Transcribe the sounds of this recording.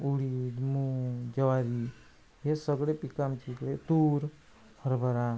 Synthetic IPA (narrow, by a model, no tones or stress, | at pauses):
uɽid̪mud͡ʒəʋaɾi | ɦesəɡɭepikamt͡ʃʰikɽet̪uːɾ | hʰəɾbʱəɾa